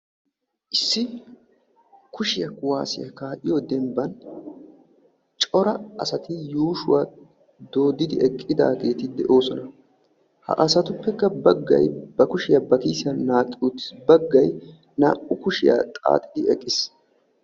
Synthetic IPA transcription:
ʔɪsːɪ | kʊʃɪjɐkwa̰ːsɪ̰jɐ̰kaːʔɪjɔd̪ɛmbɐn | t͡ʃʼɔɾɐɐsɐt̪ɪjuːʃʊwaː | d̪o̞ːd̪ɪd̪ɪɛkʼːɪd̪a̰ːɡe̞ːt̪ɪd̪ɛʔo̞ːsɔnɐ | hɐ̰ʔɐsɐt̪ʊpːɛkːɐbɐɡːɐ̰jbɐkʊʃɪjɐbɐkiːsɪɐnːaːtʼut̪bɐɡːɐj | na̰ːʔʊkʊʃɪ̰ja̰t̪ʼa̰ːt̪ʼɪd̪ɪɛkʼːɪs

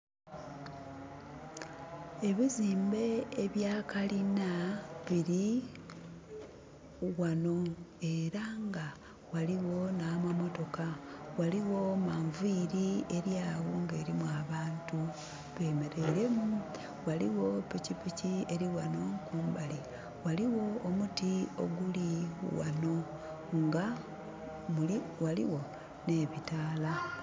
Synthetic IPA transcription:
e̞βiziːmbe̞ːβjaːkalinaβiɾi | wano̞e̞ɾaŋɡa | waliwo̞naːmamo̞to̞kawaliwo̞maːɱviɾie̞ɾjaːɣuŋɡeːɾimuwaβaːntu | βe̞me̞ɾe̞ɾe̞mu | waliwo̞picipicieɾiwano̞kuːmbali | waliwo̞ːmutio̞̰ɡuliwa̰no̞ | ŋɡa | muliwalḭwo̞ | ne̞βitaːla

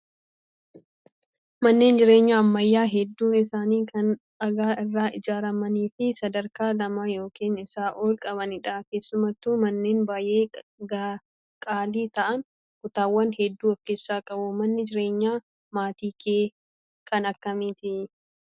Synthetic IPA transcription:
mɐnːe̞ːnd͡ʒɪɾe̞ːɲːaːɐmːɐjːaːɦɛd̪ːuːnɪsaːniːkɐn | ɐɡaːɪrːaːʔɪd͡ʒaːɾɐmɐniːfɪsɐd̪ɐɾkaːlɐmaːjo̞ːkeːnɪsaːʔoːlkʼɐbɐnɪᶑaːke̞ːsːʊmɐt̪ːuːmɐnːe̞ːnbaːjʔe̞ːɡa | kʼaːliːt̪ɐʔɐn | kʊt̪aːwːɐnhɛd̪ːuːɐkːeːsːaːkʼɐbʊmɐnːɪd͡ʒɪɾe̞ːɲːaː | maːt̪iːkʰeː | kʰɐnɐkːɐmiːt̪ɪ

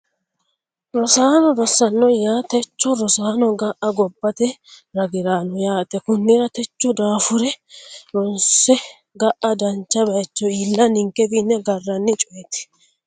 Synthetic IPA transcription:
ɾɔsaːnɔɾɔsːɐnːɔjaːt̪ɛt͡ʃːɔɾɔsaːnɔɡɐʔɐɡɔbːɐt̪ɛɾɐɡɪɾaːnɔjaːt̪ɛkʊnːɪɾɐt̪ɛt͡ʃːɔd̪aːfʊɾɛɾɔnsɛ | ɡɐʔɐd̪ɐnt͡ʃːɐbɐjt͡ʃːɔiːlːɐnɪŋkːɛbinːɛɡɐrːɐnːɪt͡ʃʼɔjɛt̪ɪ̥

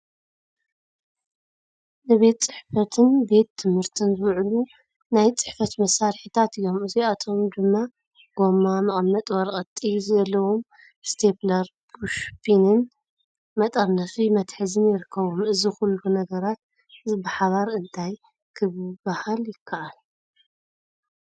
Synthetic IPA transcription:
nɨβe̞t̪t͡sʼɨħfɐt̪ʰɨnbe̞t̪ʰːɨmhɨɾt̪ʰɨnzɨβʕlu | najt͡sʼɨ̥ħfɐt̪mɐsaɾħit̪ʰat̪ɨjo̞mɨziat̪ʰo̞md̪ɨmːa | ɡ̥o̞mamɐχʼɐmːɐt̪ʼwɐɾkʼɐt̪ʼːizɐlːɐwom | st̪ʰe̞plɐɾbuʃpʰinɨn | mɐt̪ʼɐɾnɐfimɐt̪ħɨzɨnjɪɾɨkːɐβomɨzixulːunɐɡɐɾat̪̚ | zbɨħaβaɾɨnt̪ʰaj | kʰɨβbahaljɪkʰːaʔal

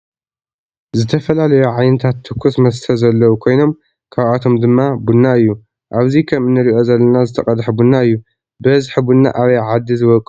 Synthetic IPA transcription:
zɨt̪ʰɐfɐlalɐjuʕajnɨt̪ʰat̪ʰːɨkʰːusmɐs̬t̪ʰɐzɐlːɐwukʰo̞jno̞m | kʰaβat̪ʰo̞md̪ɨmːabunːaɨjːu | ʔaβzikʰɐmɨnːɨɾiʔo̞zɐlːɐnazɨt̪ʰɐkʼɐd̪ħbunːaɨjːu | bɨhɨzħɨbunːa̰ʔaβɐjʕad̪ːizɨβɐkʼ

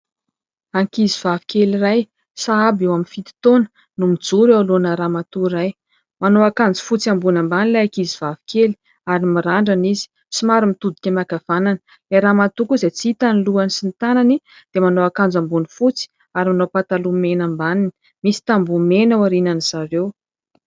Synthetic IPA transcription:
aŋkiziv̥avi̥kʲeliraj | saabewaminfit̪i̥t̪onə̥ | numid͡zuɾewlonəɾamat̪uɾaj | manoakand͡zu̥fut͡siambunambanilajakizivavi̥kʰʲeli | aɾimiɾaɳɖ͡ʐanizi̥ | simaɾumit̪ud̪i̥kʲamakav̥ananə̥ | leɾamat̪ukuzet͡siit̪aniluanisint̪anani | d̪̥emanoakand͡zambunifut͡si̥ | aɾimanopat̪alumenambanini | misi̥t̪ambumenawaɾinanizaɾew

